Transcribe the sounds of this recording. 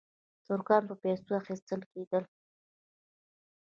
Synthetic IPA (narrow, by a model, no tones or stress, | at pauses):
t̪oɾɡɑmpəpest̪uaxist̪əlked̪əl